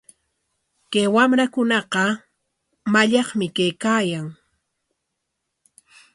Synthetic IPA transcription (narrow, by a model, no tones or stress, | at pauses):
kajwamɾakʊnɑqɑ | maʎɑχmɪkajkaːjaŋ